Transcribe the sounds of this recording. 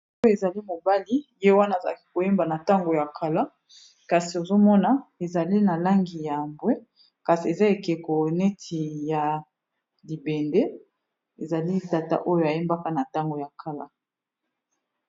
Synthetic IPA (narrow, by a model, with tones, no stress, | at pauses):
o˦jo˦e˨za˨li˦mo˨ba˦li˦je˦wa˦na˦˨za˨ki˦ko˨je˦mba˨na˨ta˦ŋɡo˨ja˨kʰa˨la˦ | ka˨si˨o˨zo˦mɔ˦na˨e˨za˨li˦na˨la˦ŋɡi˨ja˨mbwe˦ | ka˨si˨e˨za˦e˨ke˨ko˨ne˦tʰi˨ja˨ | li˨bɛ˨ndɛ˦ | e˨za˨li˦ta˨ta̰˦ʔo˦jo˨ja˨je˦mba˦ka˦na˨ta˦ŋɡo˨ja˨kʰa˨la̰˦